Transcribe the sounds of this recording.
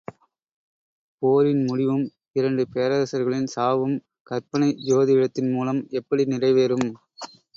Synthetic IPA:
poːɾɪnmʊɽɪʋɯm | ɪɾɐɳɖɯpeːɐɾɐɾɐsɐɾɣɐɭɪnsaːʋɯm | kɐɾpɐɳɐɪd͡ʒoːðɪɪɽɐt̪ːɪnmuːlɐmɛpːɐɽinɪrɐɪʋeːɾɯm

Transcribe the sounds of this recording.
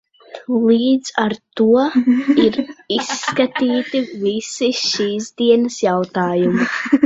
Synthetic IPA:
lˠiːd̪z̥aɾt̪uɔiɾisːkat̪iːt̪ivisiʃiːsd̪iɛnɐsjawt̪aːjumi

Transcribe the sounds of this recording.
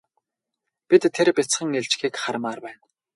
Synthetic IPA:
pit̪ʰːeɾpʲit͡sχə̆ŋeɮt͡ɕxiːkχaɾ̆maːrpæːn

